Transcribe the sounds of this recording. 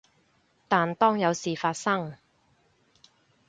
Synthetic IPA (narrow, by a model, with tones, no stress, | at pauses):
t̪aː˨nt̪ɔː˥ŋjɐ˨˧wsiː˨˩faː˧t̚sɐ˥ŋ